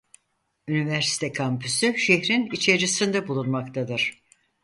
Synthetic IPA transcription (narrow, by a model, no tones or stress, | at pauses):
ynivæɾsi̥t̪ʰɛkʰampʰysyʃeçɾinit͡ʃʰeɾisind̪ɛbulˠunmakt̪ʰad̪ɯɾ̥